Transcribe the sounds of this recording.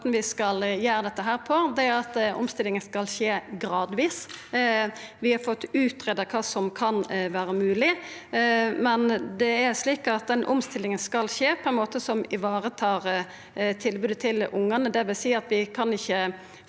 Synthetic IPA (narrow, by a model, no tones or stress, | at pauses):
t̪nʋɪskɑljæːɾəd̪ɛt̪ːəɦæːɾpʰɔd̪ɛæɾɑt̪ɔ̰mst̪ɪlːɪŋənskɑlʃeːɡɾɑːd̪ʋiːs | ʋɪhɑɾfɔt̪ːʉːt̪ɾeːd̪əkʰɑːsɔmkʰɑnʋæːɾəmʉːlɪ | mɛnd̪ɛæɾʂliːkɑt̪̚d̪ɛnʔʊ̰mst̪ʰɪlːɪŋənskɑlʃeːpʰɔɛnmoːt̪əsɔmɪʋɑːɾət̪ʰɑːɾ | t̪ʰɪlbʉːd̪ət̪ʰɪlʊŋːənəd̪ɛʋɪlsiːɑt̪ʋɪkʰɑnɪçːə